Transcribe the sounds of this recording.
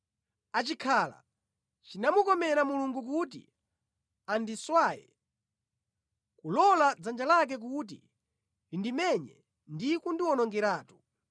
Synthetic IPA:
at͡ʃikʰaːla̰ | t͡ʃinamukɔmɛɾamuluŋɡuk̬ut̬ḭ | andiswaːjɛ̰ | kulɔlad͡zand͡ʒalak̬ɛk̬ut̬ḭ | lindimɛɲɛ | ndikundiwɔnɔŋɡɛɾaːtu̥

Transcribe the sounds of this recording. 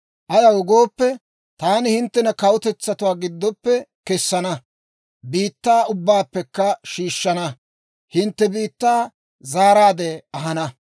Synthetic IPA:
ʔɐjɐwʊɡo̞ːpːɛ | t̪aːnɪhɪnt̪ːɛnɐkɐwʊt̪ɛt͡sːɐt̪ʊwaːɡɪd̪ːɔpːɛkɛsːɐnɐ | biːt̪ːaːʊbːaːpːɛkːɐʃiːʃːɐnɐ | hɪnt̪ːɛbiːt̪ːaː | zaːɾaːd̪ɛɐɦɐnɐ

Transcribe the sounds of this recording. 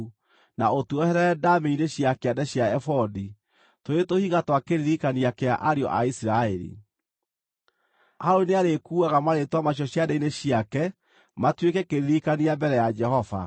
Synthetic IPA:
naotuɔhɛɾɛɛdameineɕjakeadɛɕjaɛfɔdi | toetohiɣatwakeɾiðikaniakeaʔaɾeɔ̰ʔa̰isiɾaɛɾḭ | haɾoneaɾekuːaɣamaɾetwamaɕ̬jɔɕjadaineɕiakɛ | matwekɛkeɾiðikaniambɛɾɛjad͡ʒɛhɔva̰

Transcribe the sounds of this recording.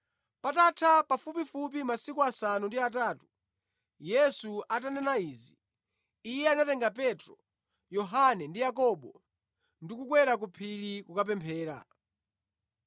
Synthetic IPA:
patatʰapafupifup̬imasikuasanundiataːtu̥ | jɛsuat̬anɛnaiːziː | jɛanatɛŋɡapɛtɾɔ | jɔɦanɛndijakɔɓɔ | ndikukwɛɾak̬upʰilikukap̬ɛmpʰɛːɾa̰

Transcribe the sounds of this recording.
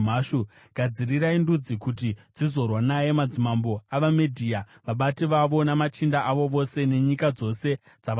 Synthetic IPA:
maʃu | ɡ̥ʱad͡ziriraindud͡zikut̬id͡zizo̞rwanaje̞mad͡zimambo̞aʋamedʱiːa | ʋaɓatiʋaʋo̞namat͡ʃindaʔaʋo̞ʋo̞se̞ne̞ɲikad͡zo̞se̞ | d͡zaʋ

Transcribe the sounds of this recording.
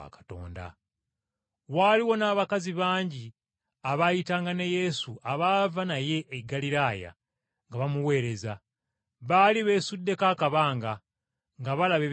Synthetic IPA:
a̰kḁto̞̰ːnda̰ | waliwo̞naːβakaziβaːɲɟi | aβajitaːŋɡaneje̞suʔaβavanaje̞ʔːɡaliɾaːja̰ | ŋɡaβamuwe̞ːɾe̞za | βaːliβe̞ːsudːe̞kaːkaβaːŋɡa | ŋɡaβalaβe

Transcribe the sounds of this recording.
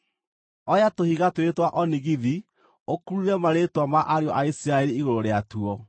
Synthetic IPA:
ɔjatohiɣatwetwaʔɔniɣiði | okuɾuɾɛmaɾetwamaʔaɾeɔʔaisiɾaeɾiːɣoɾoɾeatuɔ

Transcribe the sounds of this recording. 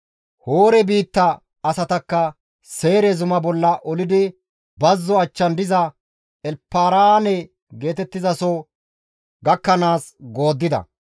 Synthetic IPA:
hoːɾɛbiːt̪ːɐ | ɐsɐt̪ɐkːɐ | se̞ːɾɛzʊmɐbɔlːɐʔɔlɪd̪ɪ | bɐzːɔɐt͡ʃːɐnd̪ɪzɐ | ɛlpːaːɾanɛ | ɡe̞ːt̪ɛt̪ːɪzɐsɔ | ɡɐkːɐnaːs | ɡo̞ːd̪ːɪd̪ɐ̰

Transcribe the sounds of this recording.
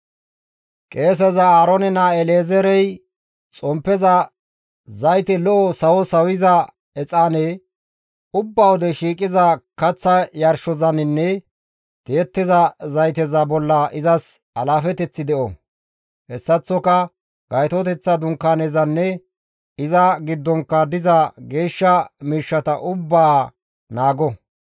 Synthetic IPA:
kʼe̞ːs̬ɛzɐaːɾɔnɛnaɛleːzɛɾɛj | t͡sʼɔmpːɛzɐ | zɐjt̪ɛlɔʔɔsɐwɔsɐwɪzɐ | ɛt͡sʼaːnɛ | ʊbːɐwɔd̪ɛʃiːkʼɪzɐkɐt͡sːɐjɐɾʃɔzɐnɪnːɛ | d̪̥eːt̪ːɪzɐzɐjt̪ɛzɐbɔlːɐʔɪzɐs | ɐlaːfɛt̪ɛt͡sːɪd̪ɛʔɔ | hɛsːɐt͡sːɔkɐ | ɡ̥ɐjt̪ɔt̪̬ɛt͡sːɐd̪ʊŋkːanɛzɐnːɛ | ɪzɐɡɪd̪ːɔŋkːɐd̪ɪzɐɡe̞ːʃːɐmiːʃːɐt̪ɐʔʊbːaː | naːɡɔ

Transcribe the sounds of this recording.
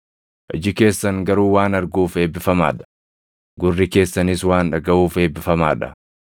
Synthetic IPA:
ʔɐ̰d͡ʒɪke̞ːsːɐŋɡɐɾuːwaːnɐɾɡuːfe̞ːbːɪfɐma̰ːᶑɐ̥ | ɡʊrːɪke̞ːsːɐnɪswaːnᶑɐɡɐʔuːfe̞ːbɪfɐma̰ːᶑɐ̥

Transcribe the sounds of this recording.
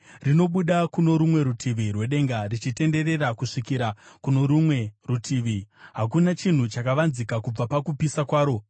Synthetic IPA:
rino̞ɓuɗakuno̞ɾumwe̞ɾutʰiʋirwe̞ɗe̞ŋɡarit͡ʃite̞nde̞re̞rakuʂikiɾakuno̞ɾumwe̞rutʰiːʋiɦakunat͡ʃin̤ut͡ʃakaʋanzikakub͡vapakupisakwaːɾo̞

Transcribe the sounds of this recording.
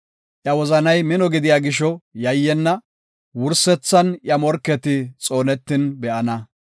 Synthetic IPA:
ʔjɐwɔzɐnɐjmɪnɔɡɪd̪ɪjaːɡɪʃɔjɐjːɛnːɐ | wʊɾsɛt͡sːɐnjɐmɔɾkːɛt̪ɪt͡sʼo̞ːnɛt̪ːɪnbɛʔɐnɐ

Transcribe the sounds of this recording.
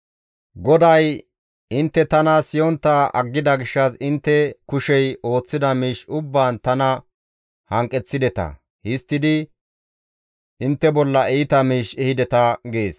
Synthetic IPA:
ɡɔd̪ɐj | ɪnt̪ːɛt̪ɐnɐsɪjɔnt̪ːɐɐ̰ɡːɪd̪ɐɡɪʃːɐsɪnt̪ːɛkʊʃɛjo̞ːt͡sːɪd̪ɐmiːʃʊbːaːnt̪ɐnɐ | hɐŋkʼɛt͡sːɪd̪ɛt̪ɐ̰ | hɪst̪ːɪd̪ɪ | ʔɪnt̪ːɛbɔlːɐʔɛjɪt̪ɐmiːʃɛhɪd̪ɛt̪ɐɡeːs

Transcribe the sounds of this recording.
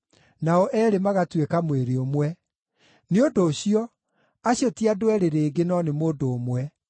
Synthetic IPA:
naɔʔɛːɾemaɣatwekamweɾeomwɛ | neodoːɕiɔ | aɕjotiadwɛɾeɾeːɡenɔnemoːndoːmwɛ

